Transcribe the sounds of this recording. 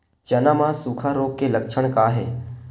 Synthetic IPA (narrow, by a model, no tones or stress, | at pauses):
t͡ʃənamãsukʰaɾoːɡkeləkʃʰəɽ̃kaɦeː